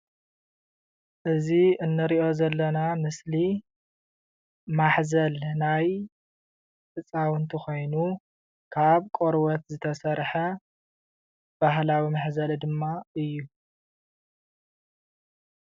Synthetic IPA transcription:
ʔɨziɨnːɨɾiʔo̞zɐlːɐnamɨsli | maħzɐlnaj | fɨt͡sʼawɨnt̪ʰɨxo̞jnu | kʰaβkʼoɾwɔt̪zɨt̪ʰɐsɐɾħɐ | b̥aɦlawimaħzɐld̪ɨmːaɨjːu

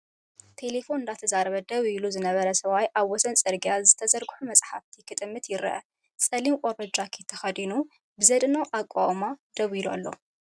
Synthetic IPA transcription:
t̪ʰe̞le̞fo̞nɨnd̪at̪ʰɐzaɾɐβɐd̪ɐβiluzɨnɐβɐɾɐsɐβajʔaβwɔsɐnt͡sʼɨɾɡijazɨt̪ʰɐzɐɾɡɨħumɐt͡sʼħaft̪ʰikʰɨt̪ʼɨmːɨt̪ʰjɪɾɐ̰ʔɐ̰ | t͡sʼɐlimkʷʼoɾɐd͡ʒakʰjt̪ʰːɐxɐd̪inu | bɨzɐd̪noʔakʷʼːaʔmad̪̥ɐβilua̰lːo̞̰

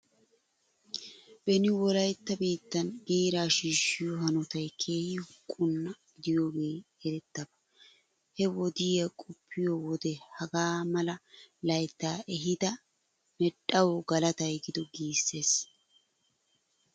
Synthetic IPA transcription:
b̥ɛnɪwɔlɐjt̪ːɐbiːt̪ːɐnɡiːɾaːʃiːʃːɪjɔɦɐnɔt̪ɐjkʰe̞ːhɪhʊkʼːʊnːɐɡɪd̪ɪjo̞ːɡe̞ː | ɛɾɛt̪ːɐbɐ | hɛwɔd̪ɪjɐkʼʊpʰːɪjowɔd̪ɛhɐɡaːmɐlɐlɐjt̪ːaːʔɛɦɪd̪ɐ | nɛɗɐwɔɡɐlɐt̪ɐjɡɪd̪ɔɡiːsːe̞ːs

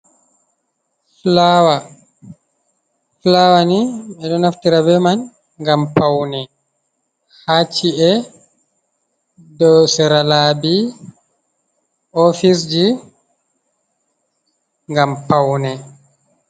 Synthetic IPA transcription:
flawa | flawaniɓɛɗɔnaftiɾabɛman | ŋɡampawnɛ | hat͡ʃːiʔɛ | dɔsɛɾalaːbi | ʔofis̬d͡ʒi | ŋɡampawnɛ

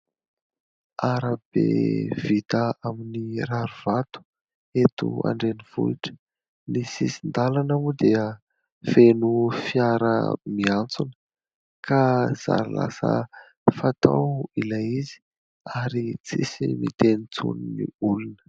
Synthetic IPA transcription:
aɾəb̥ḛvit̪əaminiraɾuv̥at̪u̥ | et̪ua̰ɳɖ͡ʐeniv̥ṵiʈ͡ʂə̥ | nisisind̪alanamud̪eə | fenufiaɾə̰miant͡sunə̥ | kʰaz̥a̰ɾila̰sə̰ | fat̪a̰wilaizi̥ | aɾit͡sisimit̪enit͡sṵninḭulunə̥

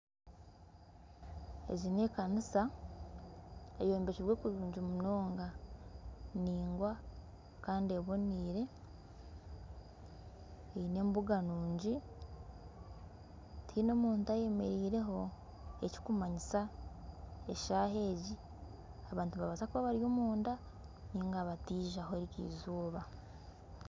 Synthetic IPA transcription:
ḛzine̞ːkanisa | ejoːmbeciɾwekuɾuːɲɟumuno̞ːŋɡa | niːŋɡwa | kaːndieβo̞niːɾe̞ | eine̞ːmbuɡanuːɲɟi | tʰino̞muːntutaje̞me̞̰ɾiːɾe̞ɦo̞ | eci̥kumaɲisa | eʃaːɦe̞ːɟi | aβaːntuβaβazakuβaβaɾijo̞ːmuːnda | niːŋɡaβatiːʒaɦo̞ɾikḭːzoːβa

